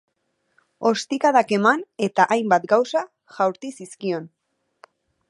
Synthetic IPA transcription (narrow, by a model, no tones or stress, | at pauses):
o̞st̪ikaðake̞mane̞t̪aʔajmbat̪ɡawsa | ʝawɾt̪isiskio̞n